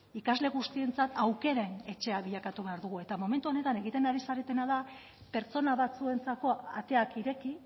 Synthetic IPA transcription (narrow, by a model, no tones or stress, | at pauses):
ikazle̞ɣust̪ie̞nt͡sat̪awke̞ɾene̞t͡ʃe̞aβiʎakat̪uβe̞aɾðuɣ̞ue̞t̪amo̞me̞nt̪uo̞ne̞t̪ane̞ɣit̪e̞naɾisaɾe̞t̪e̞naða | pe̞ɾt͡so̞naβat͡sue̞nt͡sako̞at̪e̞akiɾe̞ki